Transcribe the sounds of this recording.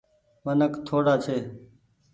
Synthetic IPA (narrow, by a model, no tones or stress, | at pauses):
ʋənəkt̪ʰoːɽaːt͡ʃʰeː